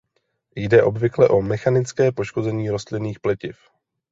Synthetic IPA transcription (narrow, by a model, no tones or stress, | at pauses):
jdɛʔo̞bvɪklɛʔo̞mɛxanɪt͡skɛːpo̞ʃko̞zɛɲiːɾo̞st̪lɪniːxplɛcɪf